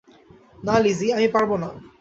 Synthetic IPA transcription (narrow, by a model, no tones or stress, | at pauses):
naliziamĩpaɹbɔna